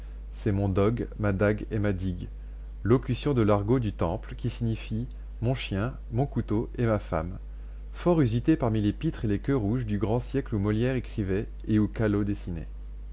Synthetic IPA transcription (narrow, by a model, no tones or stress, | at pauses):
sɛmɔ̃d̪ɔɡmad̪aɡemad̪iɡ | lɔkʲysjɔ̃d̪əlaʁɡod̪yt̪ɑ̃plkʲisiɲifi | mɔ̃ʃjɛ̃ | mɔ̃kut̪oemafa̰m | fɔʁyzit̪epaʁmilepit̪χelekʲøʁuʒd̪yɡʁɑ̃sjɛklumɔljɛʁekχivɛ | eukalod̪esinḛ